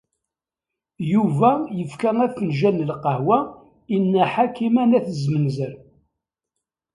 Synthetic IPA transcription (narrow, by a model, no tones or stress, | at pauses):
juvæjəfkæŋæfːənʒænːəlqəhwæ | inːæħakimænæθəzmənzəɾ